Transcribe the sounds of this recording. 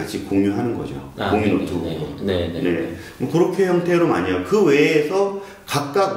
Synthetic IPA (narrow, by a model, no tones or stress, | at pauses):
aɕʰikoŋɲuɦanɯnɡʌ̰d͡ʑo̰oŋɲunotʰoonne̞̰ | mokɯɾʌkʰe̞çjʌŋtʰe̞ɾoma̰ɲajkɯwe̞ːsʰʌ | kak̚k͈ak̚